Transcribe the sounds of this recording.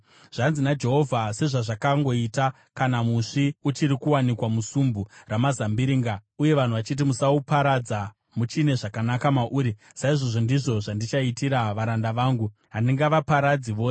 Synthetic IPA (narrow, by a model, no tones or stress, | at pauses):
ʐ̥anzinad͡ʒe̞ɦo̞vʱase̞ʐaʐakaŋɡo̞ita | kanamuʂiut͡ʃiɾikuwanikwamusumburamazambiɾiːŋɡauje̞ʋan̤uʋat͡ʃit̬imusaupaɾad͡za | mut͡ʃine̞ʐakanakamaʔuːɾi | saiʐoʐo̞ndiʐo̞ʐandit͡ʃaitiɾaʋaɾandaʋaːŋɡu | ɦaniŋɡaʋapaɾad͡ziʋo̞ːse